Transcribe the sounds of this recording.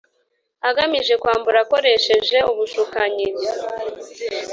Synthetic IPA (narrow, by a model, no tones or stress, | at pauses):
aɡamiʒe̞kwaːmbuɾako̞ɾe̞ʃe̞ʒe̞uβuʃukaɲiɾi